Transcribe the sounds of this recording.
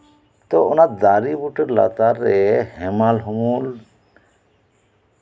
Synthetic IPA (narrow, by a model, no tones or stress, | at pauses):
t̪ɔɔnatd̪aɾibuʈəɾla̰t̪aɾɛhɛmalɦɔmul